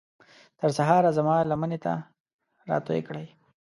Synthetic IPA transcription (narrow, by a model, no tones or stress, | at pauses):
t̪əɾsaɦɑɾazamɑlamənet̪a̰ | ɾɑ̰t̪ojḛkɽəj